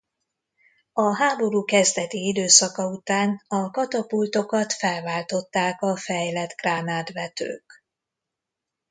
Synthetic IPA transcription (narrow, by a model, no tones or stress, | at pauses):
ɒɦaːbo̞ɾuːkɛzd̪ɛt̪iid̪øːsɒkɒut̪aːnɒkɒt̪ɒpult̪o̞kɒt̪fɛlvaːlt̪o̞t̪ːaːkɒfɛjlɛt̪ɡraːnaːt̪vɛt̪ø̰ːk